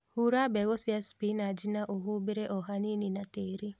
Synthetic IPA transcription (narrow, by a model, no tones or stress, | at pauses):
huɾabɛɡɔsɪaspinad͡ʒinaʔoɦubeɾeʔɔɦanininateɾi